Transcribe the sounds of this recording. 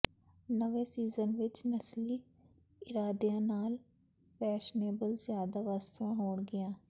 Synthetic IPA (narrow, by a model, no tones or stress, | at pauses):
nəʋẽːsiːzənʋɪt͡ʃnəsliː | ɪɾaːd̪ejãːnaːl | pʰɛːʃneːbəlzjaːd̪aʋast̪ʋãɦoːɳɡɪjãː